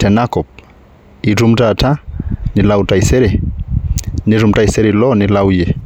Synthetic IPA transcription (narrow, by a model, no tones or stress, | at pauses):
tʰɛnakɔp̚ | iɾumtatanilautaisɛɾɛ | niɾum̩taisɛɾilɔnilaujɛ